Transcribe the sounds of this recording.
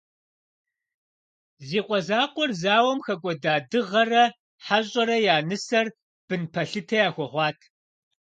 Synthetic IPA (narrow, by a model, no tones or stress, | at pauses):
ziːqʷʼɔzaːqʷɔrzaːwɐmxɐkʷʼɔdaːdɨʁɐrɐ | ħaɕʼɐɾɐjaːnɨsɐr | b̥ɨnpʰɐɬɨtʰɐjaːxʷɔʁʷɑːtʰ